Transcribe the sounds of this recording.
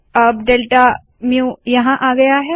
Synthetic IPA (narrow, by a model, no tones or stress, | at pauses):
ɐbɖeːlʈa | mjũjɐɦãʔaːɡɐjaɦɛ